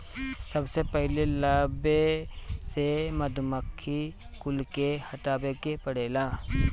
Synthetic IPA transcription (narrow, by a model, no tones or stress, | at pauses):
sɐbsepɛɦlelaːbesemɐd̪ʱʊməkʰːi | kʊlkehɐʈaːbekepɐɽeːlaː